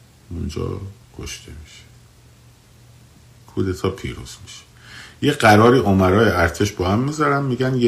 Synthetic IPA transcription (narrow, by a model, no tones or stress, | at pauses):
und͡ʒɒ̰ːkʰo̰ʃt̪ʰḛmiʃe̥ | kʰuːd̪et̪ʰɒːpʰḭːɾṵːz̥miʃe̥ | jeɢæɾɒːɾiːʔomæɾɒːjeʔæɾt̪ʰeʃbɒːhæmːiːzæɾæmmiːɟænje